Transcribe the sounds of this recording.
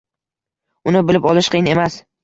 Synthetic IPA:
ʊnɪbɪlɪpɒlˠɪʃqʰɨjɪne̞mas

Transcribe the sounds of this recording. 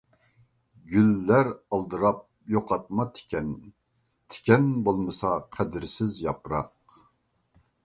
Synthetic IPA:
ɡʲylːæɾɑlˠd̪ɨɾɑp̚ | joqɑt̪̚mɑt̪ʰɪ̥kʰʲɛn | t̪ʰɪ̥kʲɛnbolˠmɨsɑqʰæd̪ɪɾsɪzjɑpɾɑq

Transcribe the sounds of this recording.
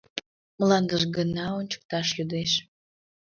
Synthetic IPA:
mlɑnd̪əʒɡənɑonʲt͡ɕə̥k̚t̪ɑʃjud̪eʃ

